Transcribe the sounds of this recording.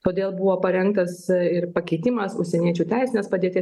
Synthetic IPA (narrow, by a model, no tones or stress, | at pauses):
t̪oːd̪ʲeːlˠbʊʋoːpɐɾʲɛŋkt̪ɐsɪɾpɐkʲɛɪt̪ʲɪmɐsʊ̰ʃʲsʲɛnʲiɛt͡ʃʲuːt̪ʲæˑɪsʲɪnʲeːspɐd̪ʲeːt̪ʲɪ